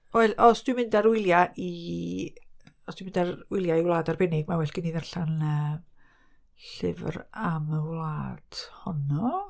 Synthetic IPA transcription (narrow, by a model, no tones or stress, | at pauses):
ɔːɨlɔsd̥wɪmɪndaɾwɪlˠjaʔi | ɔsd̥wɪmɪndarwɪlˠjaiwlˠaːdarbɛnɪɡmawɛɬɡ̥əniːðarɬanəː | ɬɪ̰vraməwlˠaːd̥hɔnɔ